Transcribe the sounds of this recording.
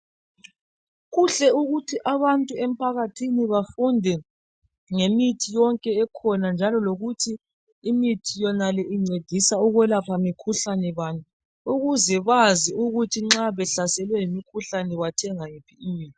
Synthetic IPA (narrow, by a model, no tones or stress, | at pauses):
ɣuɬɛuɣutʰiʔaβantʼuem̩pʰaɣatʰiniβafundʱɛ | ŋemitʰijɔŋkʼɛːkʰɔnand͡ʒʱalɔloɣutʰiː | mitʰijɔnalɛʔiŋ͡ǀed̥ʱisauɣwɛlapʰamikʰuɬanɛβaːni | uɣuzɛβaziuɣutʰiŋ͡ǁaβɛɬasɛlwɛjimikʰuɬanɛβatʰɛŋaŋipʰiimiːtʰi̥